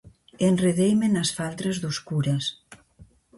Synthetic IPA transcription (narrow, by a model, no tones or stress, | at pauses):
enreðejmenasfalˠt̪ɾezðuskuɾɐs